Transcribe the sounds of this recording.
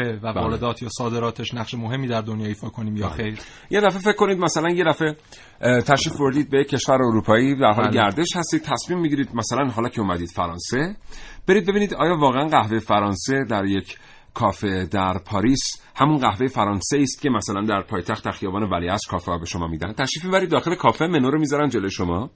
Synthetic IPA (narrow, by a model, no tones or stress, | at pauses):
evæbæɔːɾed̪ɒːt̪ʰjɒːsɒːd̪e̞ɾɒːt̪ʰeʃnæχʃemoɦe̞mːiːd̪æɾd̪onjɒːifɒːkʰoniːmjɒ̰xejɾ | je̞d̪æfefe̞cʰːo̞nid̪mæsælænje̞d̪æfe̞ | t̪ʰæʃifboɾd̪iːd̪̚bejecʰːe̞ʃvæɾeoɾuːpʰɒːiːd̪æɾɦɒːlɡæɾd̪e̞ʃhæst̪iːd̪̚t̪ʰæsmiːmːiɟiɾiːd̪mæsælænɦɒːlɒːcʰeumæd̪iːd̪̥fæɾɒːnse̞b̥e̞ɾid̪̚be̞biniːd̪ɒːjɒːvɒːɣeænɢæhvejefæɾɒːnse̞d̪æɾje̞cʰ | kʰɒːfe̞d̪æɾpʰɒːɾiːshæmunɢæhvejefæɾɒːnseiːst̪̚kcʰe̞mæsælænd̪æɾpʰɒːjet̪ʰæxt̪d̪æɾxijɒːbɒːnevæliːæst̪kʰɒːfehɒbe̞ʃo̞mɒ̰ːmiːd̪æ̰n̥̚t̪ʰæʃɾiːfmibæɾid̪ːɒːxe̞lekʰɒːfe̞menoɾomizɒɾænd̪d͡ʒe̞lojʃomɒː